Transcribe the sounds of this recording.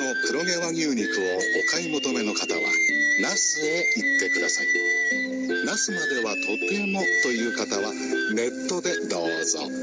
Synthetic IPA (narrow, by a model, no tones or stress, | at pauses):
no̞pɯ̟ɾo̞ɡeβaɲʲɯːɲʲikɯ̟o̞ | okaimo̞t̪o̞me̞no̞kat̪aβa̰nasɨe̞it̪ːe̞kɯ̟d̪asai | nasɨmad̪e̞βat̪ʰo̞t̪e̞mo̞t̪o̞jɯ̟ːkat̪aβa | ne̞t̪ːo̞d̪e̞d̪oːzo̰